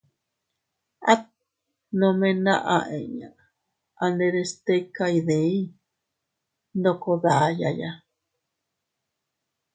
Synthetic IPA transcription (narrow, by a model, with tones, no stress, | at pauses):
a˦t | nõ˧mẽ˧nã̰˧ʔã˧ʔḛ̃˨ɲã˨ | a˧nd̪e˧ɾe˧st̪e˦ka˧i˧ðẽ˨ĩ˦ | ndo˧ko˧ða˨ʔa˨ja˨ja